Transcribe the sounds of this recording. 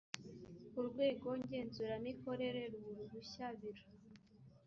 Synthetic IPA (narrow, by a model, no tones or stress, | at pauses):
uɾɡwe̞ːɡo̞ɲɟe̞ːnzuɾaniko̞ɾe̞ɾe̞ɾuβuɾuɾuɕaβiɾa